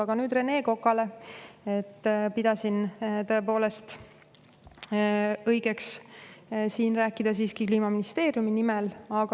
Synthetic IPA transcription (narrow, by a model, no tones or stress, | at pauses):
ɑɡ̥ɑnyːd̪re̞ne̞ːko̞kːˑɑle̞e̞t̪ːpid̪̥ɑsint̪ɤe̞po̞ːle̞st̪ | ɤjɡ̥e̞ks | siːnræːkːˑid̪̥ɑs̬iːskikliːmɑminist̪e̞ːrjuminimɛlɑɡ̥